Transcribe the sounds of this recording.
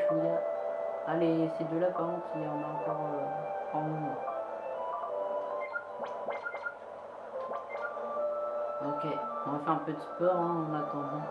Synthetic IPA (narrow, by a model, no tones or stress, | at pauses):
uja | alesed̪jølapamɛ̃kʰʲiɔ̃naɑ̃kɔʁøɑ̃nũɛ̃ | ɔkʲeɔ̃ãfɛɛ̃pøt̪əpɔʁɛ̃ɔ̃nat̪ɑ̃d̪ɑ̃